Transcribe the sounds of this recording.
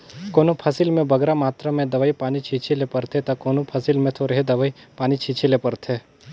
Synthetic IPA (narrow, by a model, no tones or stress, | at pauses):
koːnõpʰɐsɪlmẽbɐɡɾamaːt̪ɾəmẽd̪ɐʋaːipaːnit͡ʃʰiːt͡ʃʰelepɐɾt̪ʰet̪ɐkoːnopʰɐsilmẽt̪ʰoːɾɦed̪ɐʋaipaːnit͡ʃʰiːt͡ʃʰilepɐɾt̪ʰe